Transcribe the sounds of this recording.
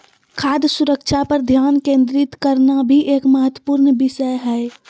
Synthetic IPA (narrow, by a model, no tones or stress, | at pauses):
kʰaːd̪jsʊɾəkʃʰapəɾd̪ʱjaːnkẽːnd̪ɾɪt̪kəɾnabʱiʔeːkməɦət̪wəpuːɾnʋɪʃəjɦɛː